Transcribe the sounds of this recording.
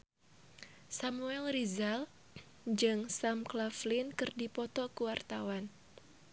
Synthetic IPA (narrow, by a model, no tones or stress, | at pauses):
samuɛlrizal | d͡ʒɨŋsamklaflinkɨrdipɔt̪ɔkuwart̪awan